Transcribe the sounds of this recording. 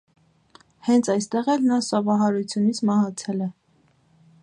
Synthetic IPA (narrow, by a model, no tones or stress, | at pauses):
hɛnt͡sʰɑjst̪ɛʁɛlnɑsɔvɑɦɑɾut͡sʰjunit͡sʰmɑhɑt͡sʰɛlɛ